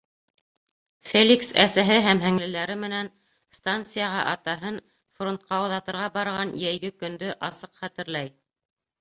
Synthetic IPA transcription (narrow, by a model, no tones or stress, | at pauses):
fʲelʲiksæ̰sæɦɘɦæmɦɘ̆ŋlɘ̆læɾɘmɘ̆næn | st̪ant̪sɨjɑʁɑʔɑt̪ɑɦɤn | front̪̚qɑoðɑt̪ɤ̆ɾʁɑbɑɾʁɑnjæjɡɘkɵ̆nd̪ɵʔɑsɤqχæt̪ɘ̆ɾlæj